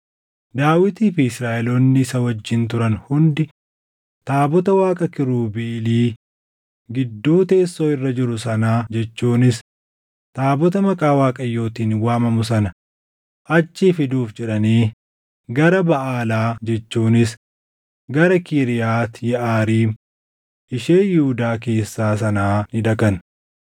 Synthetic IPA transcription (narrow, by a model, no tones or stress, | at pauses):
d̪aːwɪt̪iːfɪɪsɾaːʔɛlɔnːɪsɐwɐd͡ʒːɪnt̪ʊɾɐnhʊnd̪ɪ | t̪aːbɔt̪ɐwaːkʼɐkɪɾuːbeːliː | ɡɪd̪ːuːt̪e̞ːsːo̞ːɪrːɐd͡ʒɪɾʊsɐnaːd͡ʒɛt͡ʃːuːnɪs | t̪aːbɔt̪ɐmɐkʼaːwaːkʼɐjːo̞ːt̪iːnwaːmɐmʊs̬ɐnɐ | ʔɐt͡ʃːiːfɪd̪uːfd͡ʒɛᶑɐniː | ɡɐɾɐbɐʔaːlaːd͡ʒɛt͡ʃːuːnɪs | ɡɐɾɐkiːɾɪjaːt̪jɛʔaːɾiːm | ʔɪʃeːjɪhud̪aːk̬e̞ːsːaːsɐnaːnɪᶑ̪ɐkɐn